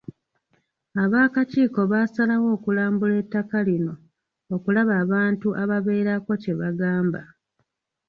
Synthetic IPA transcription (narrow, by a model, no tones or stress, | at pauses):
aβaːkaciːko̞βasalawo̞ːkulaːmbuletːakalino̞ | okulaβaːβaːntuʔaβaβe̞ːɾako̞ce̞βaɡaːmba